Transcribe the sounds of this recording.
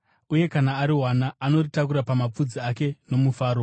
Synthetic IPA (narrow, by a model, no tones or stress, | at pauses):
uje̞kanaːɾiɦwanaːno̞ritakuɾapamap͡fud͡ziake̞no̞mufaːɾo̞